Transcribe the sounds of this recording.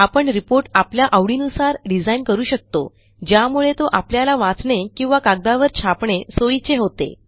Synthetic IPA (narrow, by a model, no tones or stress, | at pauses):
apəɳɾipoɾʈapljaʔəʋɽiːnusaɾɖid͡zainkəɾuːɕək̚t̪o | d͡ʑjamuɭet̪oʔapljalaʋãt͡sɳekĩw̃ʋakaɡ̚d̪aʋəɾt͡ɕʰapɳesoit͡seɦot̪ḛ